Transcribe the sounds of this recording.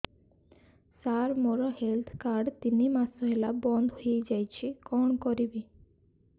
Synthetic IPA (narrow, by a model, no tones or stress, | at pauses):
saɾmoɾɔhelt̪ʰkaɾɖt̪inimasɔɦelabɔnd̪ɦoed͡ʒajt͡ʃʰikɔɳkɔɾibi